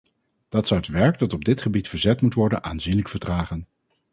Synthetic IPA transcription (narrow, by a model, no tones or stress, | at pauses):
d̥ɑtsɔwətʋɛɹk̚dɑtɔb̚dɪtχəbitfəɹzɛtmutʋɔɹdənʔa̰ːnzinləkfəɹdraːχən